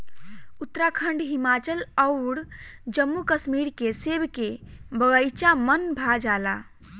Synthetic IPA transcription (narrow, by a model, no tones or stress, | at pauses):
ut̪ːɾakʰəɳɖɦimat͡ʃələʊɽd͡ʒəmːukəsmiɾkesebkebəɣəjt͡ʃamənbʱad͡ʒala̰